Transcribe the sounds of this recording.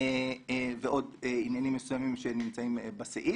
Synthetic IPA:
eveʔo̞deinjanimːesujamimʃenimt͡saimebasḛʔi

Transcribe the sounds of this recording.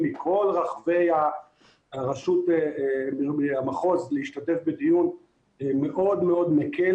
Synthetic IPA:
mikʰo̞lʁaχve̞ja | aʁaʃut̪e | eamaχo̞zleiʃtatefbed̪ijun | meʔo̞d̪meo̞d̪mekʰe

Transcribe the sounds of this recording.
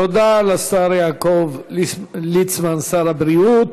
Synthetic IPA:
od̪alasaɾjaːkov | lit͡smansaɾabɾiut̪

